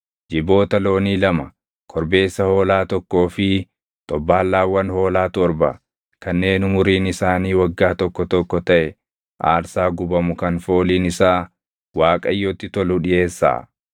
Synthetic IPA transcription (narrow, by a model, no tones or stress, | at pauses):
d͡ʒɪbo̞ːt̪ɐlo̞ːniːlɐmɐ | kʰɔɾbe̞ːsːɐho̞ːlaːt̪ɔkːo̞ːfɪ | t̪ʼɔbːaːlːaːwːɐnho̞ːlaːt̪ɔɾbɐ̰ | kɐnːe̞ːnʊmʊɾiːnɪsaːniːwɐɡːaːt̪ɔkːɔt̪ɔkːɔt̪ɐʔɛ | ʔa̰ːɾsaːɡʊbɐmʊkɐnfo̞ːliːnɪsaː | waːkʼɐjːɔːt̪ːɪt̪ɔlʊᶑɪʔe̞ːsːa̰ː